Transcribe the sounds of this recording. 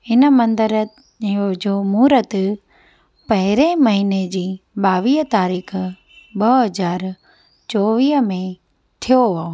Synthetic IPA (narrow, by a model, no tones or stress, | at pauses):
ɪnə̆mɐ̃nd̪əɾə | od͡ʑoːmuːɾət̪ | pɐɦɪɾemɐɦiːned͡ʑiːɓaːʋiːɦət̪aːɾiːxʰ | ɓɐɦɐzaːɾ | t͡ɕoːʋiːɦəmẽ | t̪ʰijoʋao